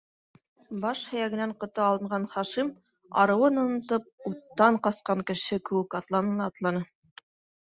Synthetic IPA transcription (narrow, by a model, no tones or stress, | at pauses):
bɑʃhæ̆jæɡɘ̆næɴqŏt̪ɑɑlˠɤ̆ɴɢɑnχɑʃim | ɑ̰ɾɤ̆wɤnŏnɤ̆t̪ɤp̚ut̪ːɑɴqɑsqɑŋkɘ̆ʃɘkɘ̆wɘkɑt̪lˠɑnɤ̆nɑːt̪lˠɑnɤ